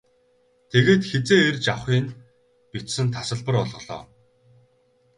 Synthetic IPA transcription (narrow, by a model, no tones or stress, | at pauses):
t̪ʰeɣeːt̪xet͡seːerʲt͡ɕawχiːn | pit͡ɕsɘ̆nt̪ʰasə̆ɮpə̆rɔɮʁɞ̆ɮɔ̰ː